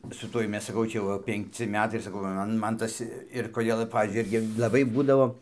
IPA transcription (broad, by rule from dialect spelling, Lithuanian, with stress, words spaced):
sʊ ˈtuɔj ˈmʲɛs sɐˈkɐʊ ˈt͡ʃʲɛ jɛʊ ˈʋɐ pʲɛŋkˈt͡sʲɪ ˈmʲæːtɐɪ ɪr sɐˈkɐʊ ʋɐ ˈmɐn ˈtɐs ɪr koːˈdʲeːlˠ ˈpɑːʋʲiːzʲd͡ʒʲʊɪ ˈɪrʲɡʲɪ lˠɐˈbɐɪ ˈbuːdɐʋoː